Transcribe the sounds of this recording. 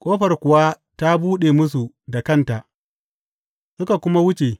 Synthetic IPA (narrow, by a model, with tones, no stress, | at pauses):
kʷʼoː˦ɸɐ˨rkʷʊ˨wa˦ | ta˦buː˦ɗeː˨mʊ˦su˨ | da˨kɐ˦˨nta˨ʔ | sʊ˦ka˨kʷʊ˦ma˦wʊ˦t͡ʃe˨